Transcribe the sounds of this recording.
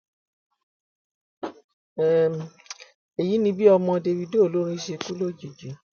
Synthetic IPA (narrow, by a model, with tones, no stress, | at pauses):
ɛ˨ | e˨ji˨˦nĩ˧bi˦ɔ˧mɔ̃˧de˧wi˧de˦o˨lo˨˦ɾ̃ĩ˦ʃe˧ku˦lo˦˨d͡ʒi˨d͡ʒe˨˦